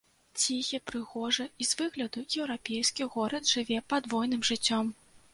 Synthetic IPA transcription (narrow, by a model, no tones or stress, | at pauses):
t͡sʲixʲɛpɾɨɣɔʐɨizvɨɣlʲɐd̪ujɛwɾapʲejskʲiɣɔɾɐd̪ʐɨvʲɛpad̪vɔjn̪ɨmʐɨt͡sʲːɔm